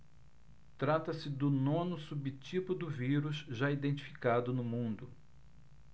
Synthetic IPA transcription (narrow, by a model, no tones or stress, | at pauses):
t̪ɾat̪ɐsɪd̪ʊnõnʊsubit͡ʃipʊd̪ʊviɾuzʒaid̪ẽnt͡ʃi̥fi̥kad̪ʊnʊmũnd̪ʊ